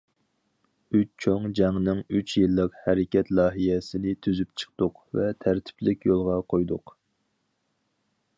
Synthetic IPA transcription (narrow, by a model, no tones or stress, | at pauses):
yt͡ʃt͡ʃʰoŋd͡ʒɛŋnɪŋyt͡ʃjɨlˠːəqhæɾɪkʲɛt̪lˠɑːɦijɛsɪnɪt̪ʰyzypt͡ʃʰə̥q̚t̪ʊqvɛt̪ʰæɾt̪ʰɪ̥plɪkʲjolˠʁɑqʰojd̪ʊ̰q